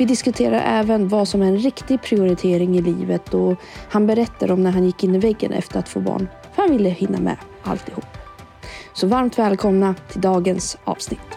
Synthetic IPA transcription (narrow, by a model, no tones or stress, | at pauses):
vɪd̪ɪskɵt̪ʰeːɾa̰ɾʔɛ̰ːvənvasɔmæɾɛnɾɪkt̪ɪɡ̚pʰɾɪʊɾɪt̪ʰeːɾɪŋɪliːvət̪ɔ | hanbɛɾɛt̪ːad̪ɔmnæɾɦanjɪkːɪnːɪvɛɡːə̰nʔɛ̰ft̪əɾat̪fo̰ːbɑ̰ːɳ | fœɾhanvɪlːəhɪnːa̰mɛ̰ʔa̰lt̪ɪhuːpː | sɔvaɾmt̪vɛːlkʰɔmnat̪ʰɪld̪ɑːɡənsɑ̰ːvsnɪt̪ː